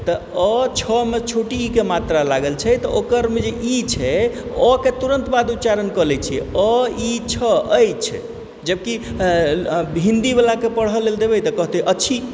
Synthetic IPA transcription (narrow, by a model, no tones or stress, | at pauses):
t̪ɔ | ɔt͡ʃʰɔmet͡ʃʰoʈiːkemat̪ɾalaɡəlt͡ʃʰɛt̪ɔʔokəɾmed͡ʒeʔit͡ʃʰɛɔket̪uɾənt̪bad̪ut͡ʃaɾənkəlɛt͡ʃʰḭɔit͡ʃʰɔəjt͡ʃʰɛ̰ | d͡ʒəb̚ki | ɦĩnd̪ibelakepəɽ̤ɦəleld̪ebɛjt̪ɔkəɦt̪ɛʔəːʃʰi